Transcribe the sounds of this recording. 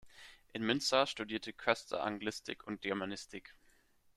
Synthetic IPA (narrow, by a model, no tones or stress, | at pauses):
ʔɪnmʏnstaʃtudiːɐtʰəkʰɛstʰɐ̰ʔa̰ŋɡlɪstɪ̰kʰʊnt̚ɡ̥iɐmanɪstʰɪk